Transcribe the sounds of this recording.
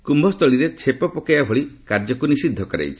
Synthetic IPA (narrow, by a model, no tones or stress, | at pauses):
kumbʱɔst̪ʰɔɭiɾet͡ʃʰepɔpɔkajabʱoɭikaɾd͡ʒɔkunisid̪ʱːɔkɔɾḛjt͡ʃʰi̥